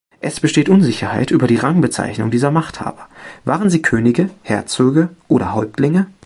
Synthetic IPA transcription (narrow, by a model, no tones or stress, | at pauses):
ʔɛsb̥əʃteːtʔʊnzɪçɐha̰ɪtʔyːbɐɾiːʁaŋbət͡sa̰ɪçnʊŋdiːzɐmaχtha̰ːbɐvaːʁənziːkʰøːnɪɡəhɛɐt͡søːɡəʔoːɾɐɦɔlp̚tlɪŋə